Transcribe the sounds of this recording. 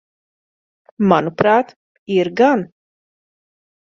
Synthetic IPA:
manupɾaːt̪ | iɾɡan

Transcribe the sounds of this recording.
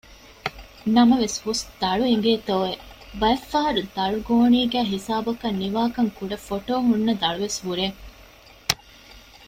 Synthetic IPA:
nɐmɐʋeshusd̪̥ɐɭuiŋɡeːt̪oːebɐɐfːɐɦɐɾud̪ɐɭuɡoːniːɡæːɦisaːbɐkɐnːiʋaːkɐŋkuɖɐfoʈoːɦunːɐd̪ɐɭuʋeshuɾeː

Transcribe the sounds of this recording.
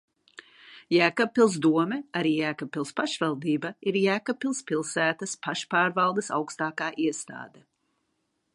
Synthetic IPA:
jæːkapːilˠzd̪uɔmɛaɾiːjæːkapːilˠspaʃvɛlˠd̪iːbaiɾjæːkapːilˠspilˠsæːt̪ɐspaʃpaːɾvɑlˠd̪ɐsa̰wkst̪aːkaːʔiɛst̪a̰ːd̪ɛ

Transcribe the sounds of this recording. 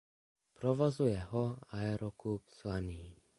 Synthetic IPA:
pɾɔʋɔzujɛɦɔaɛɾɔkupz̥ʋaniː

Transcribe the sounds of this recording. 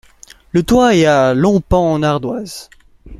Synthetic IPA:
lət̪waɛalɔ̃pɑ̃naʁd̪waz

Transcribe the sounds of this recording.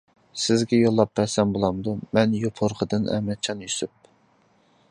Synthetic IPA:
sɪzɡʲɛjolˠːɑp̚vɛɾsɛmbolˠɑmd̪umɛnjopʰoɾqʰəd̪ɨnɛ̰mɛt͡ʃʰɑnjysyp̚

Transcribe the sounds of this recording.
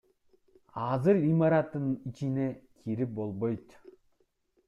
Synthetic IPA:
ɑzɯɾimaɾat̪ːɯnit͡ʃinekʰiɾip̚bolˠbojt̪

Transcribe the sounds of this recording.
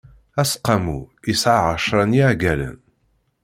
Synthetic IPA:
æsqːɑmuisʕaʕəʃɾˤəniʕɡælə̰n

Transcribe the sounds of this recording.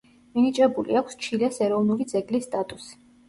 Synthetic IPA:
minit͡ʃʼɛbulḭakʷʰst͡ʃʰilɛsɛɾɔvnulid̪zɛɡlisːt̪ʼat̪ʼusi̥

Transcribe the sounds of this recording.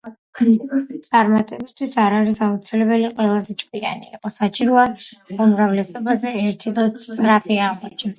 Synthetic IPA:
t̪sʼaɾmat̪ʼɛbist̪ʰwisaɾaɾisaut̪sʰilɛbɛliqʼwɛlˠazɛt͡ʃʼkʼia̰nḭːqʼɔsat͡ʃʼiɾuaumɾavlɛsɔbazɛːɾt̪ʰid̪ɔsɾapʰiaqʼɔt͡ʃʰ

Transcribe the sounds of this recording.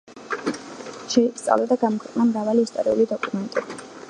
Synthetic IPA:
ʃɛist̪sʼa̰vlad̪aɡamɔkʰwɛqʼnamɾavaliːst̪ʼɔɾiṵlid̪ɔkʼumɛnt̪ʼi

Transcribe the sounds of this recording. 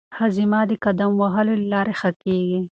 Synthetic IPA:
hazimɑd̪əkad̪amwaɦəlollɑɾexəkeɡi

